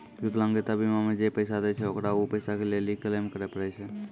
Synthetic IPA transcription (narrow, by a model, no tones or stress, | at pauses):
ʋɪklãŋɡet̪abimamẽd͡ʒepəɪsad̪et͡ʃʰɛokɾaopəɪsakeleːlikəlemkəɾepəɾɛsʰɛ